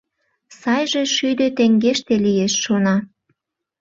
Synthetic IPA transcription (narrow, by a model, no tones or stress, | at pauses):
sɑjʒĕʃyd̪ø̆t̪ĕŋɡeʃt̪elijeʃːonɑ